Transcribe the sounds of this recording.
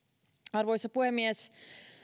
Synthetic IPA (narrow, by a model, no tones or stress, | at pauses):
ɑrʋojsɑpuhemːiɛs